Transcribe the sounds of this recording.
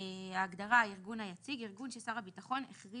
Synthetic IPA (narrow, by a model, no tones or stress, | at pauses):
aːɡdaʁaiʁɡunhajat͡siɡiʁɡunʃesaʁabitaχo̞neχʁi